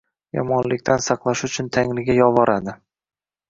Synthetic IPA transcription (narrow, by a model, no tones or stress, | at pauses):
jɒ̰mɒnlɪkʲt̪ʰansɑqlˠaʃʊt͡ʃʰʊnt̪ʰaŋlɪɡʲajɒvɒɾad̪ɪ